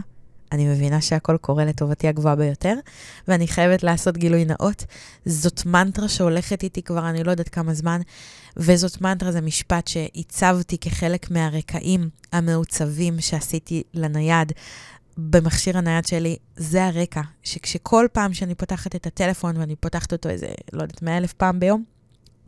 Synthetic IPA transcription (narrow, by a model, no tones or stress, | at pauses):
anime̞vinaʃe̞ako̞lkʰo̞ʁele̞to̞vatiaɡvoabe̞jo̞te̞ʁveaniχajevetlaːso̞tɡilujna̰ʔo̞tzo̞tmantʁaʃeo̞le̞χetitikvaʁanilo̞jod̪atkamazmanvezo̞tmantʁazemiʃpatʃe̞ʔit͡savtikeχe̞le̞kmeaʁekʰa̰ʔimhame̞ut͡savimʃeasitilanajad | be̞maχʃiʁanajadʃe̞lizeaʁe̞kaʃe̞kʃekʰo̞lpaːmʃeanipotaχatetate̞le̞fo̞nveanipotaχt̪o̞to̞ḛzḛlo̰jda̰tmeaelefpaːmbejo̞m